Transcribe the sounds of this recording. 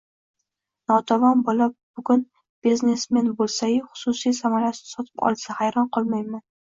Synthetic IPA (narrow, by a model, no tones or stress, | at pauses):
nɒt̪ʰavɒnbɒlap̚b̥ʊɡʊn | b̥izne̞smenbolˠsajɪχʊ̥sʊsijsamaɾasɪsɒt̪ʰɪ̥pɒ̰lˠsahajɾɒnqʰɒlˠmajman